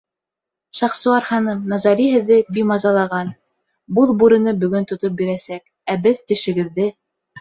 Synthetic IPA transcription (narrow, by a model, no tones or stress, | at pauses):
ʃɑχsɤ̆ɑɾhɑnɤmnɑzɑɾʲiɦɘ̆ðːɘbimɑzɑlˠɑʁɑn | buðˠbuɾɘ̆nɤbɵ̆ɡɵnt̪ŏt̪op̚biɾæsæk | æbɘðt̪ɘ̆ʃɘ̆ɡɘ̆ðːɘ